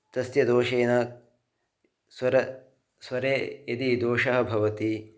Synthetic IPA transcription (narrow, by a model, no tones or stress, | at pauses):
t̪ɐsjɐd̪oːʃeːnɐ | sɐɾɐ | sʋɐɾeːjɐd̪id̪oːʃɐɦɐ̆bʱɐʋɐt̪i